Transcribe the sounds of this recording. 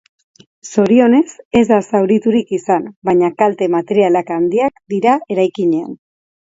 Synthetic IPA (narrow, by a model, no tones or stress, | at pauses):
so̞ɾio̞ne̞se̞zd̪asawɾit̪uɾikisanbaɲakalt̪e̞mat̪e̞ɾialakand̪iakd̪iɾae̞ɾajkiɲe̞a̰n